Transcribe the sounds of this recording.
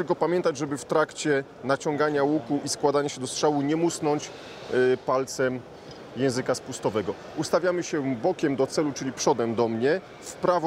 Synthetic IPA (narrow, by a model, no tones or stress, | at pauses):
t̪ɘlkɔpamʲjɛnt̪ad͡ʑʐɛbɘft̪ɾakt͡ɕɛ | nat͡ɕɔŋɡaɲawukuʔiskwad̪aɲaɕɛd̪ɔstʂawuɲɛmusnɔɲt͡ɕ | palt̪sɛm | jɛ̃w̃zɘkaspust̪ɔvɛɡɔ | ust̪avʲjamɘɕɛbɔkʲɛmd̪ɔt̪sɛlut͡ʂɘlʲipʂɔd̪ɛmd̪ɔmɲɛ | fpɾav